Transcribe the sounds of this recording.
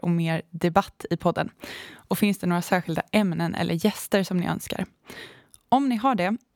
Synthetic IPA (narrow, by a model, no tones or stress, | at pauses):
ɔmeːɾd̪ɛbat̪ːɪpʰɔd̪ːə̰nʔɔfɪnsd̪ɛnoːɾasæːɾɧɪld̪a̰ʔɛmnənʔɛ̰lːəɾjɛst̪əɾʂɔmnɪ̰ʔœ̰nska̰ɾ | ɔmnɪɦaɖɛ